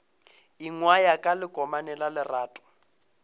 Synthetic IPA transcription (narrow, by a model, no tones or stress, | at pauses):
iŋwajakʼalɪkʼɔmanɛlalɪraːtʼʊ̥